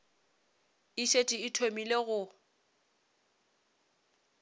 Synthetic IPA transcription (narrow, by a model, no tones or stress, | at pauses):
ɪʃetʼiɪtʰomileɣʊ